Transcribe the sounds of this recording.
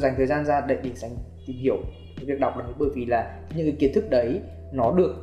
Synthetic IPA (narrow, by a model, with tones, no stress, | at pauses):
za˨˩jŋ̟t̪ʰəː˨˩zaː˧nzaː˧ɗə̰˧˨jɗi˨˩za˧˩jŋ̟t̪i˨˩mhi˧˩˨əw | vi˨˩ək̚ɗa˨˩wk͡p̚ɗə˨˦ɓəː˧˨jvi˨˩laː˨˩ | ɲɨ̰˧˥ŋkki˨˦ənt̪ɨ˦˥k̚ɗə˨˦j | nɔ˨˦ɗɨ˨˩ək̚